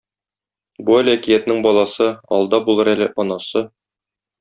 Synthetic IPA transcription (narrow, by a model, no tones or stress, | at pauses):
buælækijæt̪nɘŋbɒlˠɑsɤɒ̰lˠd̪ɑbulˠɤɾælɘʔɒnɑsɤ